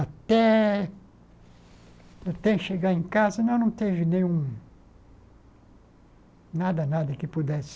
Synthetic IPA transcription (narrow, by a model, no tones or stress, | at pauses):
at̪ɛ | at̪ɛ̃ʃeɡaẽkazɐnɐ̃w̃nɐ̃w̃t̪evɪnẽj̃ũ | nad̪ɐnad̪ɐkɪpud̪ɛs